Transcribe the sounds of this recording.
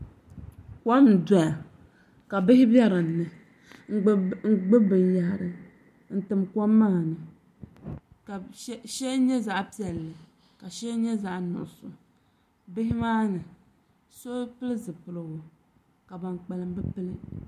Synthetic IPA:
kɔ˦m˨da˨a˨ | ka˨bɨ˦hɪ˦bɛ˦ɾɨ˨nː˨˦ɨ˨ | ŋ̩˦ɡ͡bɨ˦bɨ˨ja˨hɾɨ˨ | n̩˦tɨ˨mkɔ˦mːaː˦˨nɨ˨ | ka˨ʃɛ˦ɲɛ˦za˦ʔpi˦ɛ˨lːɨ˨ | ka˨ʃɛ˦ɲɛ˦za˨ʔnʊ̰˨sʊ˨ | bɪ˦hɪ˦maː˦nɨ˨ | so˦pɨ˦lɨ˦zɨ˨pɨ˨lɨ˨ɡʊ˨ | ka˨ba˨nk͡pɛ˨lɨ˨m˦bɨ˦pɨ˦lɨ˦

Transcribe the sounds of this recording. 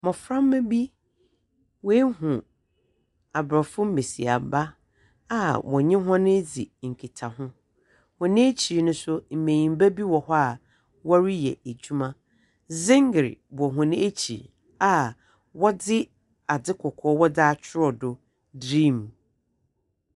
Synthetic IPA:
mɔ̃˨fɾã˦mː˦ɛ̃˦bi˦ | wɛ˦hũ˨ | a˨bɾɔ˨fʊ̃˦m̩˦me˨si˨a̰˨ba˦ | a˦˨wʔɔ̰˨ɲɪ̃˦ɦɔ̃˦nɪ̃˦d͡zi˨ŋ̩˨kʰi˨tʰa˨hʊ̃˦ | hʊ̃˨nɪ̃˦e˦t͡ɕʰi˨nʊ̃˦sʊ˦m̩˨mẽ˨ɲĩ˨m˦bæ˦bi˦wɔ˨hɔ˦a˨ | wɔ˦ɾi˦jɛ̰˨æ˨d͡ʑᶣu˦mã˦ | zɪ̃˦ŋɡɾḭ˨bʊ˨ɔ˨ɦʊ̃˨nɪ̃˦e˦t͡ɕʰḭ˨ | a˨ | wɔ˦dɪ˦ | a˨dɪ˦kʰɔ˨kʰɔː˦wɔ˦daː˦t͡ɕʰᶣɪ˦ɾɔ˨dʊ˨ | dɾĩ˦˨m

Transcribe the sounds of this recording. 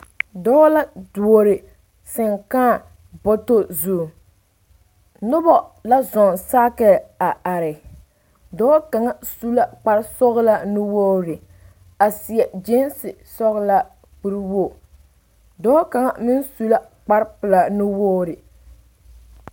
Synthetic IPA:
dɔː˦la˦du˨o˨ɾɪ˨ | sɪ˨ŋkaː˦˨ | bɔ˦to˦zu˦˨ | nʊ˦bɔ˦la˦zɔ˨saː˦kɛ˦˨a˨ʔa˨ɾɪ˨ | dɔː˦ka˨ŋa˦su˦la˦k͡pa˦ɾsɔ˦ɣla˦nʊ˦wo˦ɾɪ˨ | a˨sɪ˨ɛ˨d͡ʒe˦nsɪ˨sɔ˦ɣla˦ | k͡pu˦ɾwo˦˨ | dɔː˦ka˨ŋa˦mɪ˦nsu˦la˦ | k͡pa˦ɾpɪ˨la˨nʊ˦woː˦ɾɪ˨

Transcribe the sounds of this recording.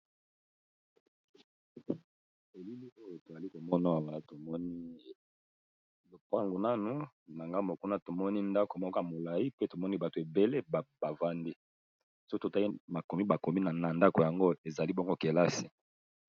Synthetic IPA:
e˨li˦li˦o˦jo˨to˨a˨li˦ko˨mɔ˦na˦a˨wa˨la˦to˨mɔ˦ni˦ | lo˨pa˦ŋɡo˨na˦nu˦ | na˨ŋɡa˦mo˨ku˦na˦to˨mɔ˦ni˦nda˦ko˨mɔ˦ka˨mo˨la˨i˦pe˦to˨mɔ˦ni˦ba˨to˨e˨be˨le˦bba˨va˦ndi˦ | so˦kto˨ta˦i˦ma˨ko˨mi˦ba˨ko˨mi˦na˨na˨nda˦ko˨ja˨ŋɡo˦e˨za˨li˦bɔ˦ŋɡo˦ke˨la˦si̥˨

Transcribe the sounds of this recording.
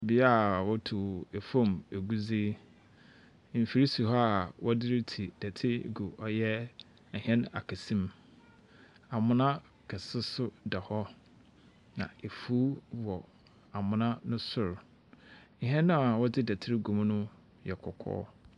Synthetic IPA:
bi˨˦a˦wɔ˦tʰu˨e˨fõ˦me˨ɡu˦zi˦ | m̩˨fi˨ɾi˦su˨ɦɔ˦a˨wʔɔ˦dɪ˦ɾɪ˦tʰi˨d̥ɛ˨tʰɪ˦˨ɡu˨ʔɔ˦jɛ˦˨ | hɛ̃˦na̰˨kʰæ˨sĩ˦m | a˨mʊ̃˦nã˦ | kʰɛ˨sɪ˦sʊ˦dɛ˨hɔ˦ | nã̰˨e˨fuː˦wɔ˨ | a˨mʊ̃˨nã˦nʊ̃˦sʊ˦ɾ̩˨ | ɦɛ̃˦nːʊ̃˦a˨wɔ˦dɪ˦dɛ˨tʰɪ˦ɾɪ˦ɡu˨m˦nʊ̃˦ | jɛ˨kʰɔ˨kʰɔ̰ː˦

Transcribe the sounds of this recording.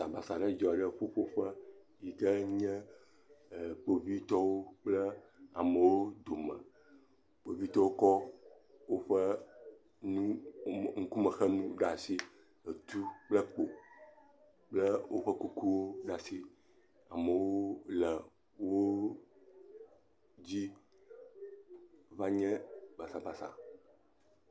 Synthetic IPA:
sa˨ba˨sa˨ɖə˦d͡ʒɔ˨ɖə˦ɸo˦ɸo˦ɸə˦ | ji˨kə˦ɲɛ̃˦˨ | k͡po˨vi˦t̪ɔ˦wo˦k͡plə˦a˨mə˨wo˦d̪o˨mə̃˨ | k͡po˨vi˦t̪ɔ˦wo˦kɔ˦ | wo˦ɸə˦ | nũ˦ŋ̩˦ku˦mə̃˨xɛ˦nũ˦ɖa˨si˦ | ə˨t̪u˦k͡plə˦k͡po˨ | k͡plɛ˦wʔo˦ɸɛ˦ku˦ku˦wo˦ɖa˨si˦ | a̰˨mə˨wo˦lɛ˨ | wo˦ | d͡ʑi˦ | va˦ɲɛ̃˦ba˨sa˨ba˨sa̰˨

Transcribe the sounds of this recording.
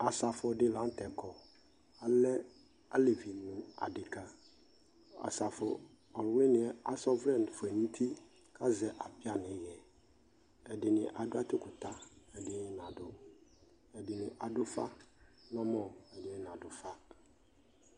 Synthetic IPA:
a˨sa˨fʊ˨dɪ˦lã˨˦n˦tɛ˨kʰɔ˨ | a˨lɛ˦ | a˦le˨vi˨nʊ̃˨a̰˨dɪ˨kʰa˦ | a̰˨sa˨fʊ˨ | ɔ˨ɾʊ̃˨˦lɪ̃˦nɪ̃˨ɛ˦a˨sɔ˦vɾɛ̃˦˨n˨fʊ˨ɛ˨nĩ˦tʰi˦ | kʰa˦zɛ˨ʔa˨pɪ˦a˦nɪ̃˨˦jɛ˨ | ɛ˨dɪ˨nɪ̃˨ʔa˨dʊ˦a˦tɪ˦kʊ˨ta˦ɛ˨dɪ˨nɪ̃˦n˨ã˨dʊ˦ | ɛ˨dɪ˨nɪ̃˨ʔa˨dʊ˦fa̰˦nɔ̃˦mɔ̃˨ɛ˨dɪ˨ɛ˨n˨a˨dʊ˨fa˦

